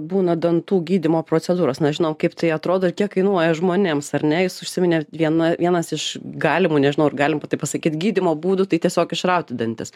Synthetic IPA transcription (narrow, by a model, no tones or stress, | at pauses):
buːnɐd̪ɐnt̪uːɡʲiːdʲɪmoːpɾoːt͡sʲɛd̪uːɾoːsnʲɛʒʲɪnoːmkɐɪpt̪ɐɪɐt̪ɾoːd̪oːɪrkʲiɛkkɐɪnuɔjɛʒmoːnʲemsɐɾʲnʲɛjɪsʊʃʲsʲɪmʲɪnʲeʋʲiɛnɐʋʲiɛnɐsɪʃɡɑːlʲɪmuːnʲɛʒʲɪnɐʊɾɡɑːlʲɪmpɐt̪ɐɪpɐsɐkʲiːt̪ɡʲiːdʲɪmoːbuːd̪ut̪ɐɪt̪ʲiɛsʲoːkɪʃrɐʊt̪ʲɪd̪ɐnʲt̪ʲɪs